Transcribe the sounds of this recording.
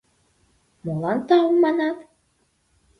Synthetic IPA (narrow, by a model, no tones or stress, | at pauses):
molɑnt̪ɑɤmːɑnɑt̪